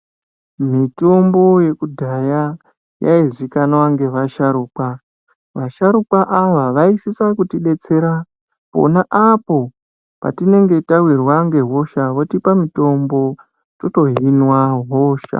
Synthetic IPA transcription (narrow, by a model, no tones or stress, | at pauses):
mito̞mbo̞je̞kudʱaja | jaizikanwaŋɡe̞ʋaʃaɾuːkwa | ʋaʃaɾukwaʔaʋaʋaisisakutiɗe̞t͡se̞ɾa | po̞̰naʔapo̞ | pa̰tine̞ŋɡe̞tawirwaŋɡe̞ɦo̞ʃaʋotipamito̞mbo̞ | to̞to̞ɦinwaɦoːʃa̰